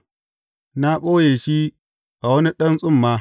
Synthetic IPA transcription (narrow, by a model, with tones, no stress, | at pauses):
na˦kʷʼoː˦jeː˨ʃi˦ | ʔa˨wɐ˦ni˦ɗɐ˦nsʼʊ˦˨mːaː˦